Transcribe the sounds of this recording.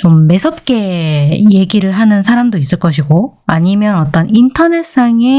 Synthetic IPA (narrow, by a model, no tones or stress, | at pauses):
t͡ɕomːe̞sʰʌp̚k͈e̞je̞ɡiɾɯɭɦanɯnsʰaɾamdois͈ɯɭk͈ʌɕʰiɡoaɲimjʌnʌt͈ʌnintʰʌne̞s͈aŋe̞